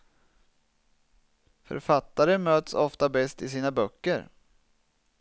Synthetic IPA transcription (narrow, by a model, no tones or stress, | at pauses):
fœ̰ɾfat̪ːaɾəmøːt̪sɔft̪abɛst̪ɪsiːnabœkːəɾ